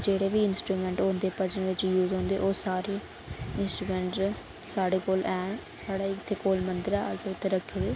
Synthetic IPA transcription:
d͡ʒeːɽeːʋiːɪnsʈɾuːmɛ̃ːɳʈɦõːnd̪eːpəd͡ʒəɳʋɪt͡ʃjuːzɦõːnd̪eːʔoːsaːɾeː | ɪnsʈɾuːmɛ̃ːɳʈ | saːɽeːkoːlʔɛːɳsaːɽaːɪt̪ʰːeːkoːlmənd̪ɪɾaːzeʊt̪ːeːɾəkʰːeːd̪eː

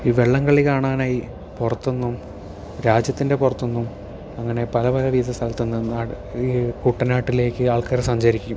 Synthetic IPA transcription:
iːʋe̞ɭːɐŋɡɐɭikaːɳaːnaːji | purɐt̪ːonːum | ɾaːd͡ʑjɐt̪ːinde̞purɐt̪ːonːum | ɐŋːɐne̞pɐlɐpɐlɐʋiːðɐst̪ɐlt̪ːunːɐnaː | kuʈːɐnaːʈːile̞ːkʲːɨaːɭkɐrsɐɲd͡ʑɐɾikʲːum

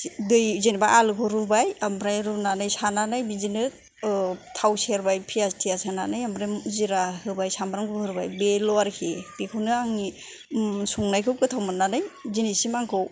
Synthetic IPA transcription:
dɯjzenibaʔalɯkʰɔɾubajambɾajɾunanɯjsananajbizinɯ | tʰawseɾbajpʰijastʰijasananɯjambɾamziɾahɯbajsambɾaŋkɯkɯɾba̰jbelɔaɾkʰeb̥ekʰɯwnɯaŋi | suŋnajkʰɯwkʰɯtʰawmɯnːanɯjzinisimaŋkʰɯw

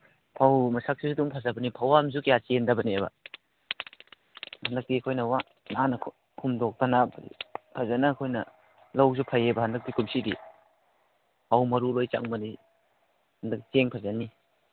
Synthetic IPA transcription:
pʰawmɐsak̚sisuduŋpʰazabɐnipʰawamzukjat͡ʃendabɐnieba̰ | handak̚tiɐkʰojnɐwa | nanɐkʰ | kʰumdɔk̚tana̰pʰazanaːkʰojnɐ | lawzupʰajebɐhandɐk̚dikʰumsidḭ | pawmɐɾulojt͡ʃa̰ŋmɐni | handak̚t͡ʃeŋpʰazanːi

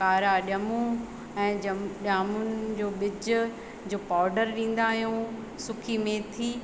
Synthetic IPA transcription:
kaːɾaɗɐmũ | ɛ̃ːɐɗaːmʊnɪ̆d͡ʑoːɓɪd͡ʑʊ | d͡ʑoːpaːɾɖəɾɗĩːn̆d̪aːɦjũ | sʊkʰimẽt̪ʰiː

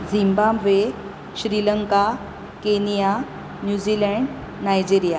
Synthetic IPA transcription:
d͡zimbamʋe | ɕɾiləŋka | kenija | njud͡ʑilɛɳɖ | nːajd͡ʑiɾija

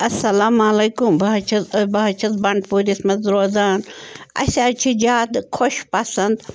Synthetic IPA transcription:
ɐsɐlaːmalejkumbaːt͡ʃʰɐzɐbaːt͡ʃʰɐzbɐɳɖpuːɾismɐzɾoːzaːnɐ̰sʲaːt͡ʃʰid͡ʒaːd̪kʰoʃpɐsɐnd̪

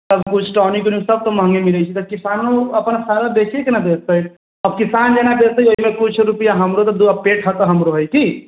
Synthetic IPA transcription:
səbkut͡ʃʰʈɔnikoniusəb̚t̪ɔməɦə̃ŋɡemilɛt͡ʃʰit̪ɔkisanoəpənsaɾad̪ekʰekenad̪est̪əj | əb̚kisand͡ʒenad̪est̪əjoɦimekut͡ʃʰɾupijaɦəmɾot̪ɔd̪upeʈʰɦət̪ɦəmɾoɦəjk̪i

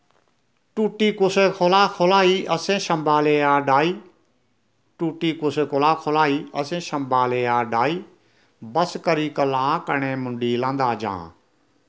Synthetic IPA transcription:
ʈuːʈiːkʊseːkʰoːlaːkʰoːlaːiːʔəsẽːʃəmbaːleːaːɖaːiː | ʈuːʈiːkʊseːkolaːkʰoːlaːiːʔəsẽːʃəmbaːleːaːɖaːiː | bəskəɾiːkəlãːkəɳẽːmʊɳɖiːlãːnd̪aːd͡ʒã̰ː

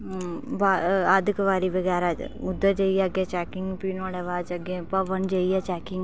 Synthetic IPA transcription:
baad̪kəʋaːɾiʋəɡɛːɾaʊd̪əɾd͡ʒəːiɛəɡet͡ʃɛːkɪŋɡpiːnoːlɛʋaːd͡ʒɐɡẽpɐʋənd͡ʒaːiɛːt͡ʃɛːkɪŋɡ

